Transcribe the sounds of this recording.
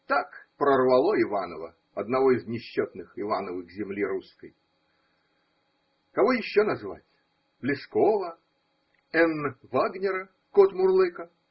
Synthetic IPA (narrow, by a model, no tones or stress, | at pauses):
t̪akpɾərvɐlˠoɪvanəvə̰ | ɐd̪nɐvoɪznʲɪɕːot̪nɨxɪvanəvɨɣzʲɪmlʲiɾuskə̰j | kɐvojɪɕːonɐzva̰tʲ | blʲɪskovə | ɛnvaɡnʲɪɾə | kot̪mʊrlˠɨkə